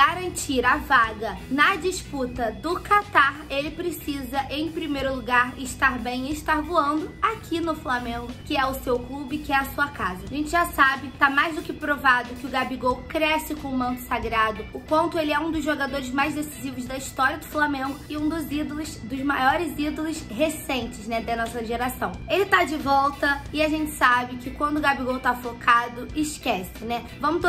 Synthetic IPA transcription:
aɾɐ̃nt͡ʃiɾɐvaɡɐnɐd͡ʒiʃput̪ɐd̪ʊkat̪aɾelɪpɾesizɐʔẽj̃pɾimejɾʊluɡaɾɪʃt̪aɾbẽj̃ɪʃt̪aɾvoɐ̃nd̪ʊakʰinʊflamẽŋɡʊkɪɛʊsewklubɪkɪɛɐsuɐkazɐaʒẽnt͡ʃɪʒasabɪt̪amajzd̪ʊkɪpɾovad̪ʊkɪʊɡabiɡowkɾɛsɪkõʊ̃mɐ̃nt̪ʊ̥saɡɾad̪ʊʊkwɐ̃nt̪ʊelɪɛũd̪ʊzʒoɡad̪oɾɪzmajzd̪esizivʊzd̪ɐiʃt̪ɔɾiɐd̪ʊflamẽŋɡʊɪũd̪ʊzid̪olʊsd̪ʊzmajɔɾɪzid̪olʊshesẽñt͡ʃɪznɛd̪ɐnɔsɐʒeɾasɐ̃w̃elɪt̪ad͡ʒɪvɔwt̪ɐɪaʒẽnt͡ʃɪ̥sabɪkɪkwɐ̃nd̪ʊɡabiɡowt̪afokʰad̪ʊɪʃkɛsɪnɛ | vɐ̃mʊt̪

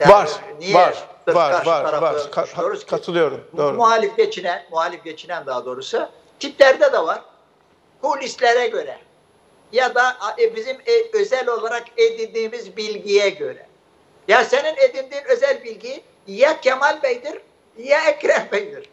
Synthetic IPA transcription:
jaaɾnijɛɯɾakaɾʃt̪ʰaɾaɯkʰʃʰijoɾuzkʰat̪ʰɯlˠɯjoɾumoːɾmuaːlʲifɟet͡ʃʰinænmuaːlʲifɟet͡ʃʰinænd̪aɦad̪o̞ːɾusʊ | t̪ʰiplʲæɾd̪ɛd̪ɛvaɾ̥ | kʰulʲislʲeɾɛɟø̞ɾɛ | jad̪abizimøzælʲo̞lˠaɾaked̪inʲd̪iːmizbilʲɟijɛɟø̞ɾɛ̰ | jasenined̪ilʲd̪iːnø̞zælʲbilʲɟi | jacʰɛmalʲbɛjd̪iɾ | jaɛcɾæɾbɛjd̪iɾ̥

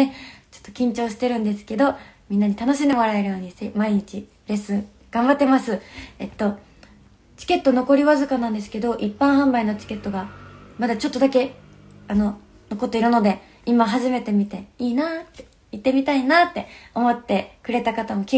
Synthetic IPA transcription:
et͡ɕo̥t̪ːo̞̥kʲĩɲ̟t͡ɕo̞ːɕi̥t̪e̞ɾɯ̟̃nd̪e̞sɨ̥ke̞d̪o̞mʲĩnːaɲ̟it̪anoɕ̬ind̪e̞moɾaeɾɯ̟jo̞ːɲ̟isemaiɲ̟it͡ɕi | ɾe̞sɨ | ɡ̥ãmbat̪ːe̞masɨet̪ːo̞ | t͡ɕi̥ke̞t̪ːo̞no̞ko̞ɾʲiβazɨkanãnd̪e̞s̬ɨ̥ke̞d̪o̞ʔipːãɰ̃ɦãmbaino̞t͡ɕi̥ke̞t̪ːo̞ɡamad̪at͡ɕo̞t̪ːo̞d̪ake̞ | ano̞ | noko̞t̪ːo̞iɾɯ̟no̞d̪e̞ | imaɦaʑime̞t̪e̞mʲit̪e̞iːnaːt̪ːe | it̪ːe̞mʲit̪ainaːt̪ːe̞o̞mo̞t̪ːe̞kɯ̟ɾe̞t̪akat̪amokʲi

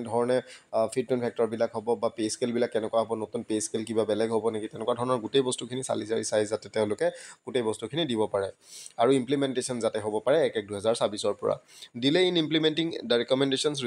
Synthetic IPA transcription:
dʱɔɹɔnɛpʰid̚tunpʰɛk̚tɔɹbilakɦɔbɔbapeskelbilakːɛnɛkuwaɦɔbɔnotunpeskelkibabɛlɛɡɦobɔnekitɛnɛkwadʱɔɹɔnɔɹɡutejbɔstukʰinisa̰lizajisajzzatɛtɛʊ̃lʊkɛɡ̥utejbɔstukʰinidibɔpaɹɛaɹuimplimɛntesɔnzatɛɦobɔpaɹɛːkɛk̚duɦɛzaɹsabisɔɹpɔ̰ɹa̰dilɛinimplimɛntiŋdɹɛkɔmɛndesɔns̬ɹ

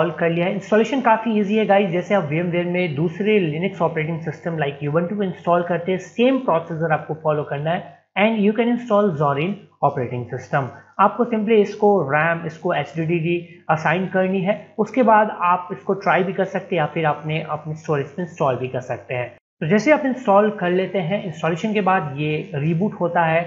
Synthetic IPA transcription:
ɔlkɐɾlijaɦɛɪ̃nsʈɔːleːʃənkaːfiiːziɦɛɡaːid͡ʒɛːseaːpʋeɛ̃mʋeːɾmẽd̪uːsɾelɪnɪksɔːpɾeːʈ̬ɪ̃ŋɡsɪsʈə̃mlaɪkjuːbə̃nʈuɪ̃nsʈɔːlkɐɾt̪eɦɛ̃seːmpɾɔːseːs̬əɾaːp̚kofɔːlokɐɾnaɦɛ | ɛ̃ːɳɖjuːkɛ̃nɪ̃nsʈɔːlzɔːɾiːnɔːpɾeːʈɪ̃ŋɡsɪsʈə̃maːp̚kosɪ̃mpliɪskoɾɛ̃ːmɪskoɛːt͡ʃɖiːɖiːɖiɐsaːɪ̃nkɐɾniɦɛːʊskebaːd̪aːpɪskoʈɾaːɪbʱikɐɾsɐk̚t̪ẽjafɪɾaːpneʔɐ̰pnesʈoːɾɪsmẽɪ̃nsʈɔːlbʱikɐɾsɐk̚t̪eɦɛ̃ː | t̪oːd͡ʒɛːseaːpeɪ̃nsʈɔːlkɐɾleːt̪eɦɛ̃ʔɪ̃nsʈɔːleːʃənkebaːd̪jeːɾiːbuːʈɦoːt̪aɦɛː

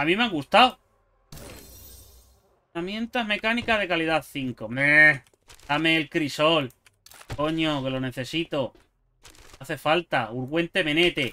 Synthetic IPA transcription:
amĩmaŋɡust̪aw | ramjẽ̞nt̪aɦme̞kanikaɦð̞e̞kaliðaθiŋkome | dameːlkɾisol | ko̞ɲoke̞lo̞ne̞θe̞sit̪o | aθe̞falt̪auɾɣwe̞nt̪e̞mẽ̞net̪e̞

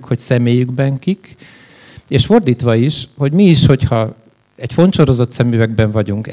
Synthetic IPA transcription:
kho̞csɛmeːjyɡbɛŋkik | eːʃfo̞rd̪iːt̪ʋɒiʃho̞ɟmiːʃho̞chɒ | ɛcfo̞nt̪ʃo̞ɾo̞zo̞t̪sɛmyvɛɡ̚bɛɱvɒɟuŋk

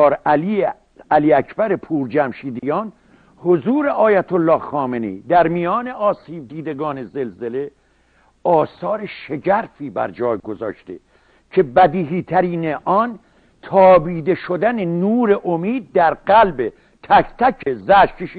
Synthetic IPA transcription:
ɾæli | æliːækʰbæɾe̞pʰuːɾd͡ʒæmʃiːd̪ijɒːn | hozuːɾeʔɒːjæt̪ʰolːɒːhxɒːmenḛd̪æɾmijɒːne̞ʔɒːsiːb̚d̪iːd̪eɡɒːneze̞lzele̞ | ɒːsɒːɾeʃeɟæɾfiːbæ̰ɾd͡ʒɒːjɡozɒ̰ːʃt̪ḛ | cʰe̞bæd̪iːɦiːt̪ʰæɾiːneʔɒn | t̪ʰɒːbiːd̪e̞ʃod̪ænenuːɾeʔomiːd̪̚ːæɾɡælbe | t̪ʰækt̪ʰækʰezæʃkeʃ

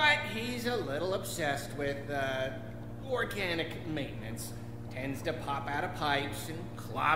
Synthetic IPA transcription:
aɪt̚hizəlɪɾl̩ˠəb̥sɛst̚wɪðʌ | ɔɹɡænɨkmẽɪ̃ʔnɨ̰̃nts | tʰɛ̃ndz̥tɨpʰɑpaʊɾə̥pʰaɪpsɨ̃nkʰl̥ɑ̰

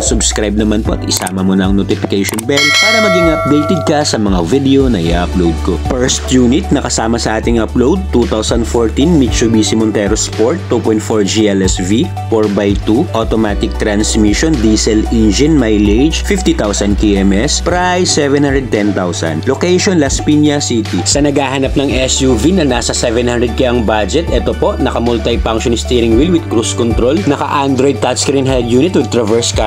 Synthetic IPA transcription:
sʊbskɾajb̚nɐmanpoʔɐt̪ɪsa̰ːmɐmonɐʔɐŋnot̪ɪfɪkɛjʃɔnbɛlpaːɾɐmɐɡɪŋʔɐp̚d̪ejt̪ɛd̪̚kɐsɐmɐŋavid̪ɛonɐɪ̰ʔa̰ʔɐplowd̪̚kopɛɹst̪juːnɪt̪̚nɐkɐsaːmɐsɐʔaːt̪ɪŋɐplowd̪̚t̪ut̪awsɐnd̪foɹt̪inmit͡ʃʊbisɪmɔnt̪ɛɾospoɹt̪ːupɔjnt̪̚foɹd͡ʒiɛlɛsvi | foɹbajt̪uʔot̪omaːt̪ɪk̚t̪ɾɐnsmiʃɔnd̪iːsɛlind͡ʒɛnmajled͡ʒfift̪it̪awsɐnkiʔɛmʔɛspɾajsːɛvɛ̃nhand̪ɾɛd̪̚t̪ɛnt̪awsɐ̰nlokɛjʃɔnlɐspinjɐsit̪isɐnɐɡaːɦanap̚nɐŋʔɛsjuvinɐnaːsɐsɛvɛnhãnd̪ɾɛd̪̚kaʔɐŋbad͡ʒɛt̪ʔɛt̪opo̞ʔnɐkɐmʊlt̪ajpaŋkʃonɪst̪iɾɪŋwilwɪd̪̚kɾuskɔnt̪ɾolnɐkɐ̰ʔand̪ɾojd̪̚t̪at̪skɾĩnɦɛld̪juːnɪt̪wɪd̪̚t̪ɾɐvɛɹska

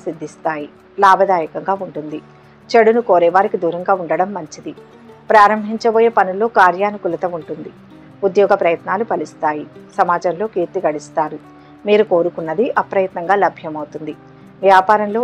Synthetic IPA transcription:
sid̪ʱːist̪aːji | laːbʱɐd̪aːjɐkɐŋɡaːuɳʈund̪i | t͡ʃeɽunukoːɾɛːʋaːɾikid̪uːɾɐŋɡaːuɳɖɐɽɐmːɐɲt͡ʃid̪i | pɾaːɾɐmbʱiɲt͡ʃɐboːjeːpɐnulo̞ːkaːɾjaːnukulɐt̪ɐmuɳʈund̪i | ud̪jɔːɡɐpɾɐjɐt̪naːlupɐlist̪aːjisɐmaːd͡ʒɐmlo̞ːkiːɾt̪iɡɐɽist̪aːɾu | miːɾuko̞ːɾukunːɐd̪iʔɐpɾɐjɐt̪nɐŋɡaːlɐbʱjɐmɐwut̪und̪i | ʋjaːpaːɾɐnlo̞ː

